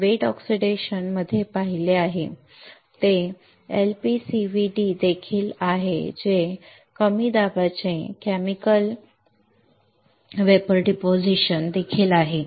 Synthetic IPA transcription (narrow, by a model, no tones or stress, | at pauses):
ʋeʈɔksiɖeɕənməd̪ʱːjepaɦileaɦḛ | t̪e | elpisiʋiɖid̪ekʰiːlaɦḛd͡ʑe | kəmiːd̪abat͡ɕẽkæmikəl | ʋepəɾɖipod͡ʑiɕənd̪ekʰiːlaɦe